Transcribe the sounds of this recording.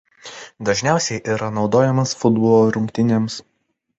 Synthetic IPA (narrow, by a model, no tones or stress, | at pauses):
d̪ɐʒʲnʲæˑʊsʲɛɪʔiːɾɐnɒʊd̪oːjɛmɐsfʊd̪bɔlˠoːɾʊŋʲkʲt̪ʲɪnʲeːms